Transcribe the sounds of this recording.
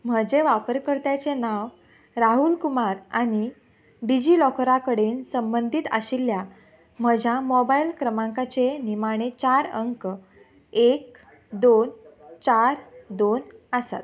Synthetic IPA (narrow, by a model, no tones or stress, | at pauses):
m̤əd͡ʑeʋapəɾkəɽt̪jat͡senaʋ | ɾaɦulkumaɾaɽ̃i | ɖid͡ʑilɔkɾakəɽeːnsəmbənd̪ʱit̪ə̰ɕilːja | m̤əd͡ʑʱjamɔbailkɾəmãŋkat͡senimaɽ̃et͡ɕaɾəŋk | ek̚ | d̪ont͡ɕaɾd̪onəsa̰t̪